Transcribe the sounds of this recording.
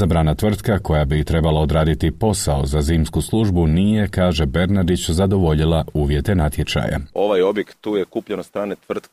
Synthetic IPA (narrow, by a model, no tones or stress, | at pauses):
zabɾanat̪ʋr̩t̪kako̞jabit̪ɾe̞balˠao̞d̪ɾaːd̪it̪ipo̞sao̞zaziːmskuslˠuʒbunije̞kaːʒe̞be̞ɾnad̪it͡ɕzad̪o̞ʋo̞ʎilˠauːʋje̞t̪e̞nat̪je̞t͡ʃa̰ːja̰o̞ʋajo̞bjekt̪ːuːjekuːpʎenost̪ɾaːnet̪ʋr̩t̪